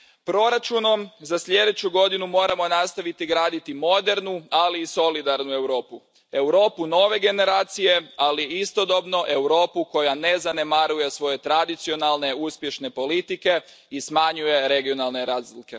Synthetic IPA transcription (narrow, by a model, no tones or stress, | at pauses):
pɾo̞ɾat͡ʃuno̞mzaslʎe̞d̪et͡ɕuɡo̞d̪inumo̞ːɾamo̞nast̪aʋit̪iɡɾaːd̪it̪imo̞d̪e̞ɾnualiːso̞lid̪aɾnue̞wɾo̞ːpu | e̞wɾo̞ːpuno̞ʋe̞ɡe̞ne̞ɾaːt̪sije̞aliist̪o̞d̪o̞bno̞ʔe̞wɾo̞ːpuko̞jane̞zane̞maɾuje̞sʋo̞je̞t̪ɾad̪it̪sio̞nalˠne̞uspje̞ʃne̞po̞lit̪ike̞ | ismaɲuje̞ɾe̞ɡio̞nalˠne̞ɾaːzlike̞